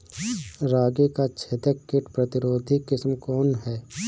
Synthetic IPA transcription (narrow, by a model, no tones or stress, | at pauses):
ɾaːɡekat͡ʃʰet̪əkːɪʈpɾət̪ɪɾoːd̪ʱikɪsmkɔːnɦɛː